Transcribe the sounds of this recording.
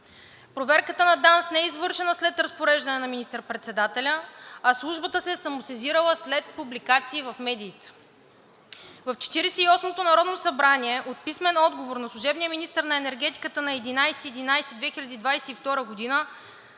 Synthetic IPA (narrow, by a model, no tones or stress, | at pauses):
pɾovɛɾkət̪ənɐd̪ansnɛɛizvɤɾʃɛnəslɛt̪ɾɐspoɾɛʒd̪ɐnɛnɐminist̪əɾpɾɛt̪sɛd̪at̪ɛlʲəɐslˠuʒbət̪əsɛsɐmosɛziɾəlˠəslɛt̪̚publikat̪siːvɐfmɛd̪iːt̪ɛ̥ | vɐft͡ʃɛ̥t̪iɾɛsɛiɔsmot̪onɐɾɔd̪nosɐbɾaniɛʔot̪̚pismɛnɔd̪ɡovoɾnɐslˠuʒɛbnijəminist̪əɾnɐɛnɛɾɡɛt̪i̥kət̪ənɐɛd̪inajsɛ̥t̪iɛd̪inajsɛ̥t̪id̪vɛxilʲɐd̪iːd̪vajsɛift̪ɔɾəɡod̪inə